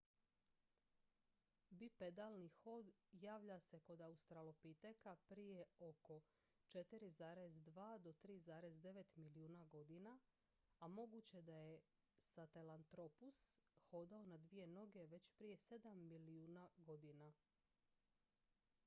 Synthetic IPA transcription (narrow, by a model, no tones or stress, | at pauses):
biped̪alˠnixo̞d̪jaːʋʎase̞ko̞d̪aust̪ɾalopit̪ekapɾije̞o̞ko̞ | t͡ʃe̞t̪iɾizaːɾezd̪ʋaːd̪o̞t̪ɾiːzaːɾe̞zd̪e̞ʋe̞t̪milijuːnaɡo̞d̪ina | amo̞ɡut͡ɕe̞d̪aje̞ | sat̪elant̪ɾo̞pusxo̞d̪aonad̪ʋije̞no̞ɡe̞ʋe̞t͡ɕpɾije̞se̞d̪amːiliuːnaɡo̞d̪ina